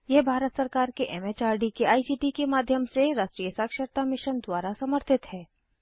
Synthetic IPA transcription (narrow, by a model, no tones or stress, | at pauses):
jɛɦbʱaːɾət̪sɐɾkaːɾkeʔɛmet͡ʃaːɾɖikeaːisiːʈikemaːd̪ʱjəmseɾaːsʈɾijəsaːkʃəɾt̪amɪʃənd̪waːɾasɐməɾt̪ʰɪt̪hɛː